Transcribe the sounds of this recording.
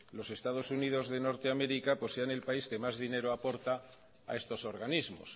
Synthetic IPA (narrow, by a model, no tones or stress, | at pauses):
lo̞se̞st̪aðo̞sunið̞o̞zðeno̞ɾt̪eame̞ɾikapo̞seane̞lpaiske̞mazðine̞ɾoapo̞ɾt̪a̰ː | e̞st̪o̞so̞ɾɣanizmo̞̰s